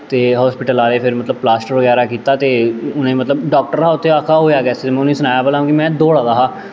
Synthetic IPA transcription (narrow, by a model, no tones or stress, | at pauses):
t̪eːɦɔːspɪʈəlaːleːpʰɪɾmət̪ləb̚plaːsʈəɾʋəɣɛːɾaːkiːt̪aːt̪eːʊnẽːmət̪ləbɖɔːk̚ʈəɾaːʊt̪ʰːeːaːkʰaːɦoːjaːɡɛːseːt̪emɛ̃ʊnːiːsʊnaːjaːpəlaːɦũkimɛ̃ːd̪oːɽaːd̪aːɦaː